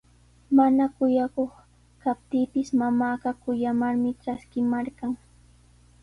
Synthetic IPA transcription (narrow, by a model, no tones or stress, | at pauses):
manakʊjakoχ | kap̚t̪iːpɪsmamaːɢɑkʊjamaɾmɪʈ͡ʂaskɪmaɾkɑŋ